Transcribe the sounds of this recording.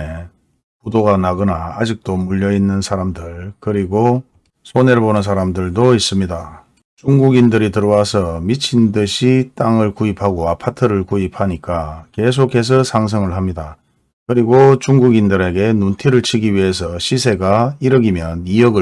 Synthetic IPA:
e | pudoɡanaɡʌnaːd͡ʑik̚t͈omuʎːʌinːɯnsʰaɾamdɯɭkɯɾiɡo | sʰone̞ɾbonɯns̬ʰaɾamdɯɭdois͈ɯmɲida | t͡ɕuŋɡuɡindɯɾitɯɾʌwasʰʌmit͡ɕʰindɯɕʰit͈aŋɯɭkuipʰaɡoapʰatʰɯɾɯɭkuipʰaɲik͈ake̞s̬ʰokʰe̞s̬ʰʌsʰaŋs̬ʰʌŋɯɭɦamɲida | kɯɾiɡot͡ɕuŋɡuɡindɯɾe̞ɡe̞nuntʰiɾɯɭt͡ɕʰiɡiɥiɦe̞s̬ʰʌɕʰis̬ʰe̞ɡaiɾʌɡimjʌnijʌɡɯ

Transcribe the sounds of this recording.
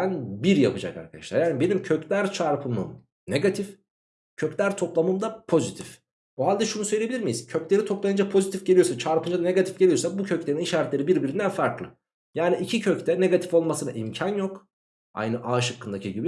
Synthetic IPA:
nbiɾjapɯd͡ʒa̰ka̰ɾkʰad̪aʃlˠaɾjaːnibe̞nimcʰø̞clʲæɾt͡ʃʰaɾpʰɯmɯ̰m | ne̞ɡat̪ʰif | cʰøclʲæɾt̪ʰo̞plˠamɯmd̪apʰo̞zit̪ʰif | oɦalʲd̪ɛʃunusøjlʲeilʲiɾmijiz̥cʰø̞clʲe̞ɾit̪ʰo̞plˠajɯnd͡ʒapʰo̞zit̪ifɟe̞lʲijo̞sat͡ʃʰaɾpɯnd͡ʒad̪ane̞ɡat̪ʰi̥fɟeijosakbucʰøclʲe̞ɾiniʃaːɾɛt̪lʲeɾibiɾbiɾind̪ænfaɾklˠɯ | jaːniicʰicʰøct̪ʰɛne̞ɡat̪ʰi̥fo̞lˠmasɯna̰ʔimcʰanjok | a̰jnɯʔaːʃɯkːɯnd̪acʰiɟibi

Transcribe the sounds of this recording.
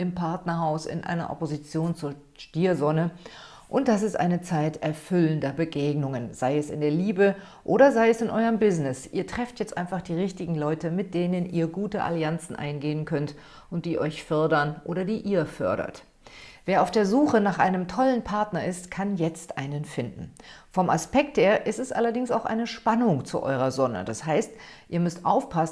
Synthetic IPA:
ʔɪmpʰaɐtnɐhaʊsɪ̰nʔa̰ɪnɐ̰ʔɔ̰pozit͡sjoːnt͡suːɐ | ʃtiːɐzɔnə | ʔʊnt̚d̥asɪstʔa̰ɪnət͡saɪtɛɐfʏləndɐbəɡeːɡnʊŋənzaɪɛsɪ̰ndeːɐliːbə | ʔoːɾɐzaɪɛsɪnʔɔʏəmbɪznɪsʔiːɐtʁ̥ɛftjɛt͡stʔaɪnfaχd̥iːʁɪçtɪɡŋ̩lɔʏtəmɪt̚d̥eːnənʔḭːɐɡuːtəʔa̰liant͡sn̩ʔa̰ɪnɡeːənkʰœnt | ʔʊnt̚d̥iːʔɔʏçfœɐdɐnʔoːɾɐdiːʔiːɐfœ̰ɐɾɐ̰t | v̥eːɐaʊfd̥eːɐzuːχənaːχʔaɪnəmtʰɔlənpʰaɐtnɐɪstkʰanjɛt͡stʔaɪnənfɪndn̩fɔmaspɛk̚theːɐʔɪstɛsʔa̰lɐdɪŋsa̰ʊxʔa̰ɪnəʃpanʊŋt͡sṵʔɔ̰ʏʁɐzɔnə̰d̥ashaɪstʔiːɐmʏstʔa̰ʊfpʰas

